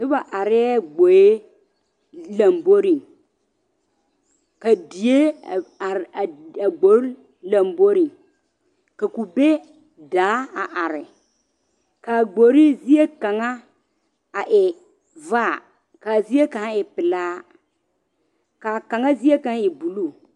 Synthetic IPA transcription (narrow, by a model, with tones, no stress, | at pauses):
ɪ˦ba˨ʔa˨ɾɪ˦ɡ͡bo˨je˦ | la˨mbo˦ɾi˨ | ka˨di˨je˦˨a˨ɾa˨ɡ͡bo˦ɾ | la˨mbo˦ɾi˨ | ka˨ku˨be˦ | da˨˦a˨ʔa˨ɾɪ˨ | ka˨ɡ͡bo˨ɾi˦zi˦je˦ka˨ŋa˦ | a˨ʔɪ˨ | vaː˦˨ | ka˨zi˦je˦ka˨ŋa˦ɪ˨pɪ˨laː˦ | ka˨ka˨ŋa˦zi˦e˦ka˨ŋa˦i˨bu˨lu˦˨